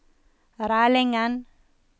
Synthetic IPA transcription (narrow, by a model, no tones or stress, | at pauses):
ɾaːlɛŋan